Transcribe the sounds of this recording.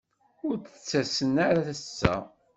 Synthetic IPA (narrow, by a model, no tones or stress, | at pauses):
ʊɾət͡sːæsənaɾaθæsːæ̰